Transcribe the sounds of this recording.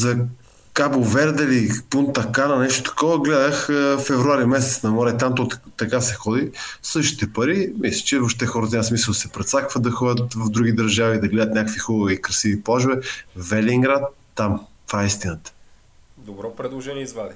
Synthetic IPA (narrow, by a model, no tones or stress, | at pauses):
zɐ | kabovɛɾd̪ɛlipunt̪ɐkanɐnɛʃt̪o̥t̪ɐ̥kɔvəɡlɛd̪əxəfɛvɾuaɾimɛsɛt̪snɐmɔɾɛt̪amt̪ɔt̪ɐkasɛxɔd̪isɤʃt̪i̥t̪ɛpɐɾimislʲə̥t͡ʃɛvoʃt̪ɛxɔɾət̪ziməsmisəlˠsɛpɾɛt̪sakvɐt̪̚d̪ɐxɔdʲət̪vɐvd̪ɾuɡid̪ɐɾʒavid̪ɐɡlɛd̪ət̪nʲakəkvixɔbvikɾɐsiviplˠaʒbɛvɛliŋɡɾat̪ːamt̪v̥aɛist̪inət̪ə̥ | d̪obɾɔpɾɛd̪lˠoʒɛnʲiɛizvad̪i